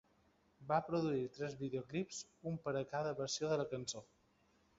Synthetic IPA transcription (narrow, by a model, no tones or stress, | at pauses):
bapɾuðuit̪ɾɛzβiðeoklipsumpəɾəkaðəβəɾsioðələkənso